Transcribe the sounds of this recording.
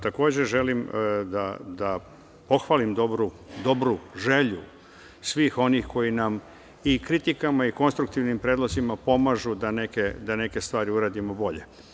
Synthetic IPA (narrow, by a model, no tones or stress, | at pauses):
t̪ako̞ːd͡ʑeʒe̞limd̪ad̪a | po̞xʋaːlimd̪obɾu | d̪o̞bɾuʒe̞ʎu | sʋiːxo̞nixko̞jinam | ikɾit̪ikamaiko̞nst̪ɾuk̚t̪iʋnimpɾeːd̪lˠozimapo̞maʒud̪ane̞ke̞d̪ane̞ke̞st̪ʋaːɾiuɾaːd̪imo̞bo̞ʎḛ